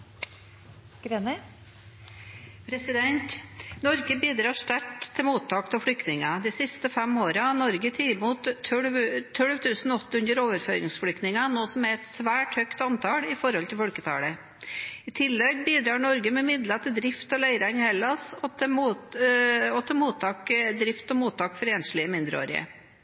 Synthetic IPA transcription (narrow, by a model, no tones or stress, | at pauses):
ɡ̥ɾenɛ | pʰɾɛsɪd̪ɛnt̪nɔɾɡəbiːd̪ɾɑːʂʈ̪æʈt̪ʰːɪlmuːt̪ʰːɑːkt̪ɔfɽʏkt̪nɪŋɑd̪ɪsɪst̪əfɛmoːɾɑnɔɾɡət̪ʰɪmuːt̪ʰːœɽʋt̪ʰːœɽʋt̪ʰʉːsn̩ɔt̪ːʉnd̪əɾoːʋəɾfø̰ːɾɪ̰ŋsflʏkt̪nɪŋɑnoːsɔmæɾɛt̪sʋæːʈhœkt̪ɑnt̪ʰɑːlɪfɔɾhɔlt̪ʰɪlfɔlkət̪ʰɑ̰ːɽə | ɪt̪ʰɪlːɛɡbiːd̪ɾɑːɳɔɾɡəmɛmɪd̪lɑt̪ʰɪld̪ɾɪft̪ɔlæɪɾɑnhɛlɑsɔmuː | ɔt̪ʰɪlmuːt̪ʰːɑːkd̪ɾɪft̪ɔmuːt̪ʰːɑːkfɔɾeːnʂɭɪəmɪnd̪ɾəo̰ːɾɪ̰ə̰